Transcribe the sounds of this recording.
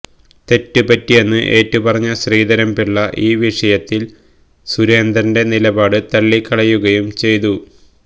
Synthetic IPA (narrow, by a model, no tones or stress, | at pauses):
t̪e̞tːɨpɐtːije̞nːɨʔe̞ːtːupɐrɐɲːɐɕriːd̪ɐɾɐmpiɭːɐʔiːʋiʂɐjɐt̪ːil | suɾe̞ːnd̪rɐnde̞nilɐbaːɽɨt̪ɐɭːikːɐɭɐjːuɣɐjumt͡ɕe̞jt̪u